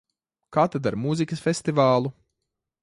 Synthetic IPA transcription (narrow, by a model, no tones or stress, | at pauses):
kaːt̪ad̪aɾmuzikɐsfʲest̪ivaːlˠu